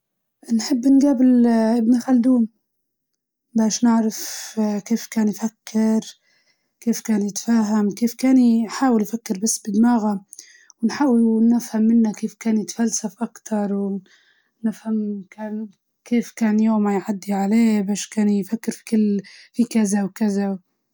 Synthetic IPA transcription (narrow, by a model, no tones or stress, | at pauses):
ʔnħɪbːʔɪnɡaːbɪlʔɪbnaxald̪uːm | baːʃnɪʕɾafkeːfkaːnjfakʰːɪɾ | keːfkaːnjɪt̪ḁfaːɦamkeːfkaːnħaːwɪljfakːɪɾbasːbɪd̪maːɣa | wɪnħaʔwnɪfhamːɪnːakeːfkaːnjɪt̪ḁfalsafʔakt̪ʰɑɾˤw | nɪfhamkaːn | keːfkaːnjoːmajʕad̪ːiʕaleːbaːʃkaːnfakːɪɾfi̥kɪlːhiːkazawkazaw